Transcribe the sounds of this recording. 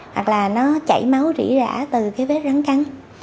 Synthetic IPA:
hwa˨˩k̚laː˨˩nɔ˨˦t͡ɕə̰˧˩˨jmə˨˦wzḭ˧˩əza̰ː˧˩˥t̪ɨ˨˩kaː˨˦jɓe˦˥t̚za˨˦nka˨˦n

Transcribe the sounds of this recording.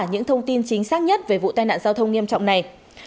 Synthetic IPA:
ɲɨ̰˧˥ŋt̪ʰə˧wŋ͡mt̪i˧nt͡ɕï˨˦ŋ̟saː˦˥k̚ɲə˦˥t̚ve˨˩vṵ˧˨t̪aː˧jna̰ː˧˨nzaː˧wt̪ʰə˧wŋ͡mŋi˧əmt͡ɕɔ̰˧˨wŋ͡mna˨˩j

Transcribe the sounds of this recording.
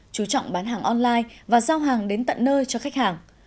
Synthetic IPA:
t͡ɕu˨˦t͡ɕɔ̰˧˨wŋ͡mɓaː˨˦nɦaː˨˩ŋʔɔ˧nlaː˧jvaː˨˩zaː˧wɦaː˨˩ŋɗe˨˦nt̪ə̰˧˨nːəː˧jt͡ɕɔ˧xa˦˥jk̟̚haː˨˩ŋ

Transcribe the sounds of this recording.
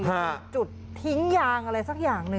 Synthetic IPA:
kʰa˦˧˩t͡ɕu˨˩t̪ʰːi˦˥ŋjaː˧ŋʔa˧ɾa˧jsa˨˩k̚jaː˨˩ŋnɯ˧

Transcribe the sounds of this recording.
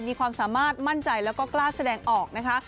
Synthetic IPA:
miː˧kʰwaː˧msaː˩˦maː˥˩t̪̚ma˥˩nt͡ɕa˧jlɛː˦˥wkɔː˥˩klaː˥˩sa˧dɛː˧ŋʔɔː˨˩k̚na˦˥kʰa˦˥

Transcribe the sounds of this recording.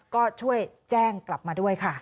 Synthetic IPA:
kɔː˥˩t͡ɕʰu˥˩əj | t͡ɕɛː˥˩ŋkla˨˩p̚maː˧du˥˩əjkʰa˥˩

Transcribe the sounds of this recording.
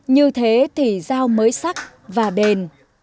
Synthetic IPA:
ɲɨ˧t̪ʰe˨˦t̪ʰi˨˩zaː˧wməː˨˦jsa˦˥k̚ | vaː˨˩ɗe˨˩n

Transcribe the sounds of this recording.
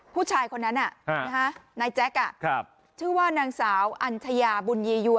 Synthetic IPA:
pʰuː˥˩t͡ɕʰaː˧jkʰo˧nːa˦˥nʔa˨˩˧na˦˥kʰa˦˥naː˧jt͡ɕɛ˦˥k̚ʔa˨˩ʔkʰp̚ | t͡ɕʰɯː˥˩waː˥˩naː˧ŋsaː˩˦wʔa˧nt͡ɕʰa˧jaː˧bu˧njiː˧ju˧˩ə

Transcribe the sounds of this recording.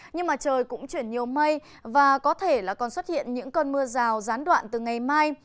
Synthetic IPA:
ɲɨ˧ŋmaː˨˩t͡ɕəː˨˩jkʊ̰˧˥ŋ͡mt͡ɕwi˧˩ənɲi˨˩əwmə˧j | vaː˨˩kɔ˨˦t̪ʰe˧˩laː˨˩kɔ˨˩nswə˦˥t̚hḭ˧˨ənɲɨ̰˧˥ŋkə˧nmɨ˧əzaː˨˩wzaː˨˦nɗwa̰ː˧˨nt̪ɨ˨˩ŋa˨˩jmaː˧j

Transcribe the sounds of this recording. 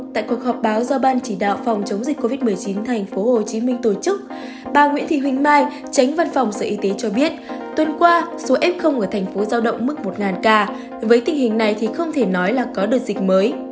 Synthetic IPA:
t̪a̰ː˧˨jku˨˩ək̚hɔ˨˩p̚ɓaː˨˦wzɔ˧ɓaː˧nt͡ɕi˧˩ɗa̰ː˧˨wfɔ˨˩wŋ͡mt͡ɕə˨˦wŋ͡mzï˨˩k̟̚ko˧vi˦˥t̚m˨˩əjt͡ɕi˨˦nt̪ʰa˨˩jŋ̟fo˨˦ho˨˩t͡ɕi˨˦mï˧ŋ̟t̪o˧˩t͡ɕɨ˦˥k̚ | ɓaː˨˩ŋwḭ˧˥nt̪ʰḭ˧˨hwï˧˩ŋ̟maː˧j | t͡ɕa˨˦jŋ̟va˧nfɔ˨˩wŋ͡msə̰ː˧˩ʔi˨˦t̪e˨˦t͡ɕɔ˧ɓi˦˥ət̚t̪wə˧˩nkwaː˧so˨˦ʔɛ˦˥p̚xə˧wŋ͡mʔəː˧˩t̪ʰɛ˨˩ŋ̟fo˨˦zaː˧wɗə̰˧˨wŋ͡mmɨ˦˥k̚mo˨˩t̚ŋaː˨˩nkaː˧ | vəː˨˦jt̪ï˨˩ŋ̟hï˨˩ŋ̟na˨˩jt̪ʰi˨˩xə˧wŋ͡mt̪ʰe˧˩nɔ˨˦jlaː˨˩kɔ˨˦ɗɨ˨˩ək̚zï˨˩k̟̚məː˨˦j

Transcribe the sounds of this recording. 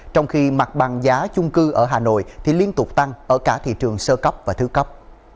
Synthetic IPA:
t͡ɕɔ˧wŋ͡mxi˧ma˨˩t̚ɓa˨˩ŋzaː˨˦t͡ɕʊ˧ŋ͡mkɨ˧ʔəː˧˩ɦaː˨˩no̰˧˨jt̪ʰi˨˩li˧ənt̪ʊ˨˩k͡p̚t̪a˧ŋʔəː˧˩kaː˧˩t̪ʰḭ˧˨t͡ɕɨ˨˩əŋsəː˧kə˦˥wp̚vaː˨˩t̪ʰɨ˨˦kə˦˥wk͡p̚

